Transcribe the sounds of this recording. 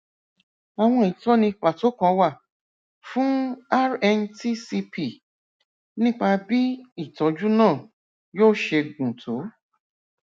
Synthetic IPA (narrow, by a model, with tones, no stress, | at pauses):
a˨w̃ɔ̃˧i˨tɔ˦nĩ˧k͡pa˨to˨˦kã˧wa˦˨ | fũ˦a˦ɾɛ˧nti˦si˧pʰi˨ | nĩ˦k͡pa˧bi˦i˦˨tɔ˨˦d͡ʒu˦nãː˦˨ | joː˦˨ʃe˧ɡũ˨tʰo˨˦